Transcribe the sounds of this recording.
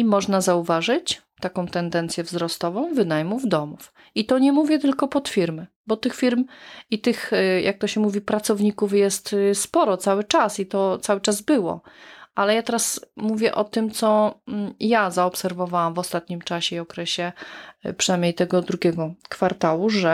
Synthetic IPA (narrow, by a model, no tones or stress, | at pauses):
imɔʐnazauvaʐɘt͡ɕ | t̪akɔ̃w̃t̪ɛnd̪ɛnt̪sʲjɛvzɾɔst̪ɔvɔ̃w̃vɘnajmuvd̪ɔmuf | it̪ɔɲɛmuvʲjɛt̪ɘlkɔpɔt̪fʲiɾmɘ | bɔt̪ɘxfʲiɾmit̪ɘxjʔak̚t̪ɔɕɛmuvʲipɾat̪sɔvɲikufjɛst̪spɔɾɔt̪sawɘt͡ʂasit̪ɔt̪sawɘt͡ʂazbɘwɔ̰ʔalɛjat̪ɛɾasmuvʲjɛʔɔt̪ɘmt̪sɔ | jazaɔpsɛɾvɔvawamvɔst̪at̪ɲimt͡ʂaɕɛiɔkɾɛɕɛpʂɨnajmɲejt̪ɛɡɔd̪ɾuɡʲɛɡɔkfaɾt̪awuʐɛ